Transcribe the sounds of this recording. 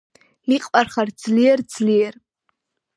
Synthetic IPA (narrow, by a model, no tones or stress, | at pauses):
iqʼpʼarχart͡sʰliert͡sʰlir